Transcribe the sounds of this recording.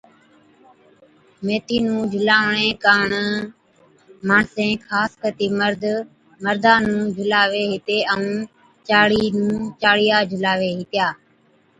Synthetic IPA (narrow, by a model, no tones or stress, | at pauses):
meːt̪iːnũːd͡ʒʱʊlaːʋɳẽːkaːɳ | maːɳsẽːkʰaːskət̪iːməɾd̪ | məɾd̪ʱaːnũːd͡ʒʱʊlaːʋeːɦɪt̪eːəũː | t͡ʃaːɽiːnũːt͡ʃaːɽɪjaːd͡ʒʱʊlaːʋeːɦɪt̪ɪjaː